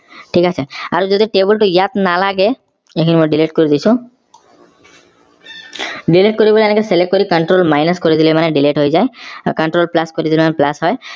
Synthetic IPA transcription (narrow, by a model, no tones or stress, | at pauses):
ʈʰikat͡ɕʰeaɾd͡ʒod̪iʈebulʈujat̪nalaɡe | ekʰinimoɖileʈ̚koɾid̪isʰũ | ɖileʈ̚koɾiboliɛnekeselek̚ʈ̚kːoɾikəɳʈɾolmajnaskoɾit̪ʰilimaneɖileʈɦojzajkəɳʈɾolplaskoɾit̪ʰilemaneplasɦɔj